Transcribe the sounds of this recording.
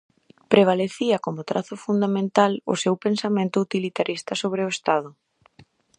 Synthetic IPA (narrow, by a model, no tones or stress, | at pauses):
pɾeβaleθiɐkomʊt̪ɾʔaθʊfund̪amẽnt̪alʊ̰sewpensamẽnt̪ʊut̪ilit̪aɾist̪ɐsoβ̞ɾɪʊest̪aðʊ